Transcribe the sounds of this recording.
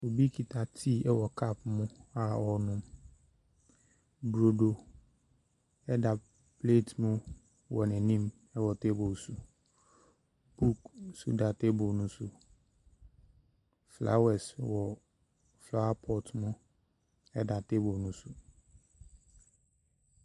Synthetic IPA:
o˨bi˦kʰi˨tʰa˨tʰi˦˨ɛ˦wɔ˨kʰa˦p̚mʊ̃˦a˨ɔ˨nʊ̃˦m | bɾo˨do˨ | ɛ˦da˨ | ple˦˨tmʊ̃˦ | wɔ˨nɛ̃˨nĩ˦m | ɛ˦wɔ˨te˦bo˨su˨ | b̥u˦ksṵ˦da˨te˦bo˨nʊ̃˦sʊ˨ | fla̰˦wɛ˨swɔ˨ | fla˦a˦pʰɔ˨tʰmʊ̃˦ | ɛ˦da˨te˦bo˨nʊ̃˦sʊ˨

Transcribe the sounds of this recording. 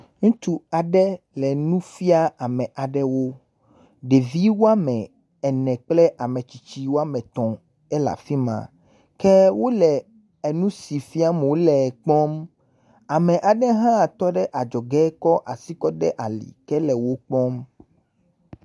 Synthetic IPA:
ŋũ˦t̪u˦a˨ɖɛ˦ | lɛ˨nũ˦fi˦a˦a˨mɛ̃˨ʔa˨ɖɛ˦wo˦ | ɖe˨vi˦wo˦a˦mɛ̃˨ | ɛ˨nɛ̃˨k͡plɛ˦ʔa˨mɛ̃˨t͡ɕi˨t͡ɕi˦wo˦a˦mɛ̃˨t̪ɔ̃˨ | ɛ˦la̰˨fi˦mã̰˨ | kɛ˦wo˦lɛ˨ | e˨nũ˦si˨fi˦a˦mɛ˨wo˦lɛ˨k͡pɔ˦m | a˨mɛ̃˨ʔa˨ɖɛ˦ɦã˦˨t̪ɔ˦ɖɛ˦ʔa˨d͡ʒɔ˨ɡɛ˦kɔ˦ʔa˨si˦kɔ˦ɖɛ˦ʔa˨lḭ˨kɛ˦lɛ˨wo˦k͡pɔ˦m

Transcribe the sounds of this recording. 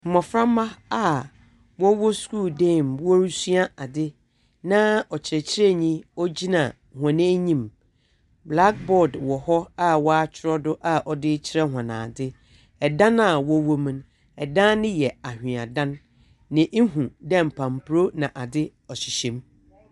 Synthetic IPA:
m̩˨mɔ̃˨fɾã˦mã˦a˦˨ | wɔ˦wɔ˦sku˦ldẽ˦˨mwɔ˦ɾu˦su˦a˦a˨dɪ˦ | nã˦ɔ˨t͡ɕʰɪ˨ɾɛ˨t͡ɕʰɪ˦ɾɛ˦ɲĩ˦ɔ˦d͡ʑi˦nã˨ | hã˨nẽ˦ɲĩ˦m | bla˦k̚bɔ˨dwɔ˨hɔ˦a˦wɔ˦a˦t͡ɕʰɪ˨˦ɾɔ˦dʊ˦ʔa˦ʔɔ˨dɪ˦t͡ɕʰɪ˦ɾɛ˦ɦã˨nã̰ː˨dɪ˦ | ɛ˨dã˦na˨wɔ˦wo˦mĩ˨n | ɛ˨dã˦nɪ̃˦jɛ˨a˨hᶣɪ̃˨a˨dã˦nː | ɪ̃˨ʔe˦ɦũ˨dɛ̃˦˨m̩˨pʰã˨m˨pʰɾo˦nã˨ʔa˨dɪ˦ | ɔ˨ɕɪ˨ɕɛ̃˦m

